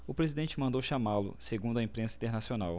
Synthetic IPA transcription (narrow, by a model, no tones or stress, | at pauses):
ʊpɾezid̪ẽnt͡ʃɪmɐ̃nd̪owʃamalʊ̰seɡũnd̪ʊɐẽpɾẽsɐĩt̪eɾnasionaw